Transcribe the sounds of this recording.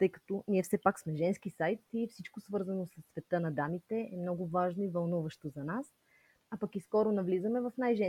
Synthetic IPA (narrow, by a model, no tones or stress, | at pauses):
t̪ɤjkɐ̥t̪ɔniɛfsɛpaksmɛʒɛnskisajt̪ifsit͡ʃkosvɤɾzɐnosəsːvɛt̪ɤnɐd̪amit̪ɛɛmnɔɡʊvaʒnoivɐlˠnuvɐʃt̪ozɐnas | apɐkiskɔɾonɐvlizəmɛvɐfnajʒɛ